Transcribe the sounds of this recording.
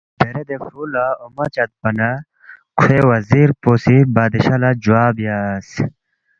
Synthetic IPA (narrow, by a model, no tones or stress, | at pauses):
d̥ɐɾed̪efɾuːlaomɐt͡ɕɐt̪̚bɐnɐ | kʰwewɐziɾpoːsibaːd̪iɕɐlad͡ʑuwaːbjas